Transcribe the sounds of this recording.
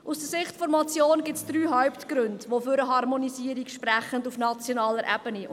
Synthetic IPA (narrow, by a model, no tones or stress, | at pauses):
ʔusd̥əɾsɪχtfɔɾmɑt͡sjoːnɡɪtsd̥ɾyːɦawptɡ̥ɾʉndʋoføɾəɦɑrmɔnisiːəɾikʃpɾɛχəndufnɑt͡sjonɑːləɾʔɛ̰b̥əni